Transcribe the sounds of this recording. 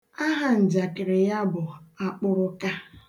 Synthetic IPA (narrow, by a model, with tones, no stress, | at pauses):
a˦ɦa˨n̩˨d͡ʒa˨kɪ˨ɾɪ˨ja˦bʊ˨a˨k͡pʊ˦ɾʊ˦ka˦